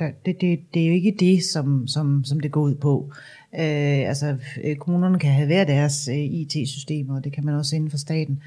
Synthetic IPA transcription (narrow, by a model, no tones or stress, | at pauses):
d̥æd̥ed̥e̝d̥e̝æjo̝e̝ɡ̥əd̥e̝sɒ̽msɒ̽msɒ̽md̥e̝ɡ̥ɒ̰ːuð̞̰ˠpʰɒ̽ | øælsɒkʰomuːnɐnəkʰæɦæʋæɐd̥æɐsøit͡sʰe̝̰ːsysd̥e̝̰ːmɐɒd̥e̝kʰæmænɒ̽sen̩fɑ̈sd̥ɛ̰ːd̥n̩